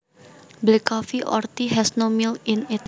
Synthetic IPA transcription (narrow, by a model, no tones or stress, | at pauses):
blikɔfiʔɔ̰rt̪iɦɛsnomilɪnɪt̪̚